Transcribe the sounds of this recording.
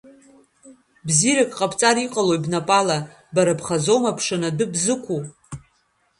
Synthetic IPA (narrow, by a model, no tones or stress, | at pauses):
bziɾakʼqʼapʰʼt͡sʼaɾiqʼalo̞jbnapʼala | baɾapʰχazo̞mapʰʂɨnadɨbzɨkʷʰu